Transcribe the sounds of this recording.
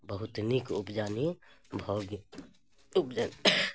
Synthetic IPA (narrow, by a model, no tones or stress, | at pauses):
bəɦʊt̪nikʊpd͡ʒaːnibʱoːɡ | ʊpd͡ʒani